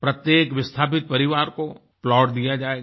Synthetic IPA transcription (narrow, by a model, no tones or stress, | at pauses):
pɾɐt̪jeːkʋɪst̪ʰaːpɪt̪̚pɐɾɪʋaːɾko | plɔːɖd̪ijad͡ʒaːe